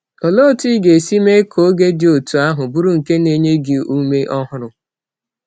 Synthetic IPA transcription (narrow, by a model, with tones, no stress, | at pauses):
ɔ˨lo˦˨ti˦ɡe˨si˦me˦kʰo˦ɡe˦dɪ˨˦o˨tu˨a˦ɦʊ˨bu˦ɾu˦˨ŋ̩˨ke˦ne˦ɲe˦ɡɪ˨u˦me˦ʔɔ˦ɦʊ˦ɾʊ˨